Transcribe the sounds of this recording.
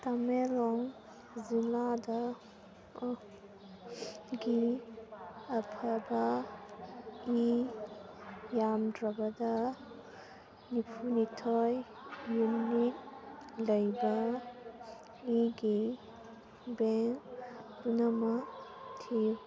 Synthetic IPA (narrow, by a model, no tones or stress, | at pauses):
t̪amelɔŋ | zilada | ɡi | ɐpʰɐbɐ | i | jamdɾɐbɐdɐ | nipʰunitʰɔjː | unit̚lɐjbɐ | iɡi | beŋkbunɐmɐtʰi